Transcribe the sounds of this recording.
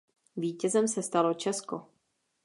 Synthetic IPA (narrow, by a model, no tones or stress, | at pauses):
viːcɛzɛmsɛst̪alo̞t͡ʃɛsko̰